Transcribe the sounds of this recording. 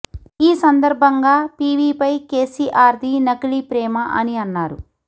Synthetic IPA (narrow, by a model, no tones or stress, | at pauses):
iːsɐnd̪ɐɾbʱɐŋɡaːpiːʋiːpɐjkeːsiːʔaːɾd̪inɐkiɭipɾɛːmɐʔɐniɐnːaːɾu